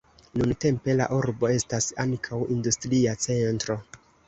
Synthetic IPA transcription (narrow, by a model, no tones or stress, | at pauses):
nunte̞mpe̞la̰ʔuɾbo̞e̞stasaŋkʰawindustɾiat͡se̞ntɾo̞